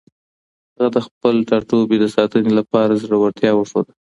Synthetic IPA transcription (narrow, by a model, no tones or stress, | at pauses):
haɣad̪əxpəlʈɑʈobed̪əsɑt̪ənelapɑɾazɽawaɾt̪jɑwəʂod̪a